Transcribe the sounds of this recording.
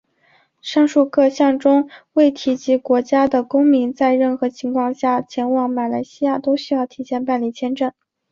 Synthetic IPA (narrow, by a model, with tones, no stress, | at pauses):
ʂɑ˥˧ŋʂu˥˧kʰɤ˥˧ɕjɑ˥˩ŋʈ͡ʂʊ˥ŋwe˥˩ɪt̪ʰi˧˥t͡ɕi˧˥kwɔ˧˥t͡ɕja˥d̪ə˨kʊ˥ŋmi˧˥nt͡sa˥˧ɪɻə˥˩nxɤ˧˥t͡ɕʰi˧˥ŋkʰwɑ˥˧ŋɕja˥˩t͡ɕʰjɛ˧˥nwɑ˧˥ŋma˨˩la˧˥ɪɕi˥ja˥˩t̪o˥ʊɕy˥jɑ˥˩ʊt̪ʰi˧˥ɕjɛ˥˧npa˥˧nli˥˩t͡ɕʰjɛ˥nʈ͡ʂɤ˥˩ŋ